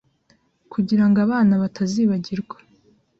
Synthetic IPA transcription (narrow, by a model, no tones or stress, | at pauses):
kʰuɟiɾaŋɡaβaːnaβatʰaziːβaɟiɾɡwḁ